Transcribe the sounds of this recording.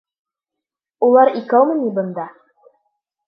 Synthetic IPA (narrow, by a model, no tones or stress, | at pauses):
ulˠɑɾikæwmɤ̆nibɤ̆nd̪ɑ